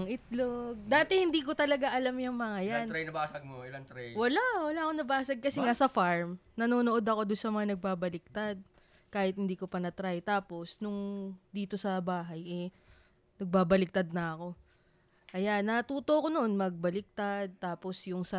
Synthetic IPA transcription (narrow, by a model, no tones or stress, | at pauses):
ŋʔɪt̪loɡ̚d̪aːt̪ɛhɪnd̪iːko̞t̪ɐlɐɡaʔɐlamjʊŋmɐŋajanɾajnɐbaːsɐɡ̚moɪlaŋt̪ɾɛjwɐlaʔwɐlaːʔɐkonɐbaːsɐɡ̚kɐsɛŋasɐfaɹmnɐnoːnoʔo̞d̪ɐko̞d̪ʊnsɐmɐŋanɐɡ̚baːbɐlɪk̚t̪ad̪̚ | kaːhɪt̪̚hɪnd̪iːko̞pɐnɐt̪ɾajt̪aːpo̞snʊŋd̪iːt̪o̞sɐbaːɦɐjʔɛ | nɐɡ̚baːbɐlɪk̚t̪ad̪̚nɐʔɐko̞ | ʔɐjanːɐt̪uːt̪o̞ko̞noʔo̞nmɐɡ̚bɐlɪk̚t̪ad̪̚t̪aːpo̞sjʊŋsɐ